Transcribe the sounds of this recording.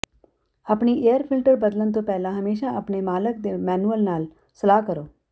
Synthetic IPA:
ɐpniʔeːjəɾpʰɪlʈəɾbɐd̪lənt̪̬õpɛːlãɦɐmeːʃaʔɐpnemaːlək̚d̪emɛːnuəlnaːl | sɐlaːkəɾoː

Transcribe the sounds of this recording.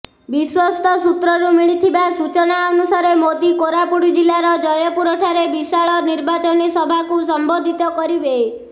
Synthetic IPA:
biswɔst̪ɔsut̪ɾɔɾumiɭit̪ʰibasut͡ʃɔnaɔnusaɾemod̪ikoɾapuɽid͡ʒilaɾɔd͡ʒɔjɔpuɾɔʈʰaɾebisaɭɔniɾbat͡ʃɔnisɔbʱakusɔmbod̪ʱit̪ɔkɔɾibe

